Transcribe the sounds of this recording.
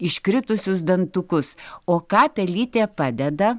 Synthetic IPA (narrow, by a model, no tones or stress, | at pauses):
ɪʃʲkɾʲɪt̪ʊsʲʊs̬d̪ɐnt̪ʊkʊsoːkɑːpʲɛlʲiːt̪ʲeːpɑːd̪ʲɛd̪ɐ